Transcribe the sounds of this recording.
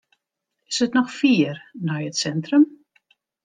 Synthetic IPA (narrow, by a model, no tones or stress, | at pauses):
ɪ̥sətnɔxfiərnɔjətsɛntrəm